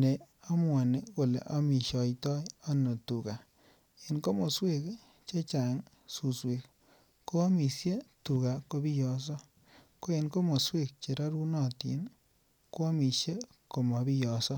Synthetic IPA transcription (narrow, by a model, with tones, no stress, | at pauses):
ne˨ | a˦mwa˨ne˨ko˨lḛ˨ʔa˦mi˨ʃɔ˨jtɔ˦ja˦no˨tu˨ka˨ | e˨nko˦mo˨swe˦k | t͡ʃe˦t͡ʃa˨ŋ | su˨swe˨k | ko˦a˦mi˨sje˦tu˨ka˨ko˧bi˦jɔ˨s̬ɔ˦ | ko˦e˨nko˦mo˨swe˦˨k̚t͡ʃe˨ɾa˦ɾu˦nɔ˦˨tḭ˨˦n | ko˦a˦mi˨ʃe˦ | ko˨ma˨bi˦jɔ˨sɔ˦